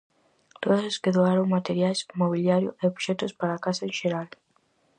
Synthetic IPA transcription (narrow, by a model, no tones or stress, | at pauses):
t̪oðoseskeðoaɾoŋmat̪eɾjajsmoβiljaɾjʊʔeoβʃɛt̪ʊspaɾaːkasɐẽnʃeɾal